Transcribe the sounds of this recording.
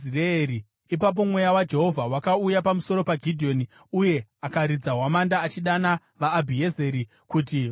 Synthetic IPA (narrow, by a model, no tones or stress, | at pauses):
iraeɾi | ipap̬o̞mwe̞jawad͡ʒe̞ɦo̞vʱawakaujapamuso̞ɾo̞paɡʱidʱio̞ni | uje̞akaɾid͡zaɦwamandaːt͡ʃiɗana | ʋaːbʱieze̞ɾi | kut̬i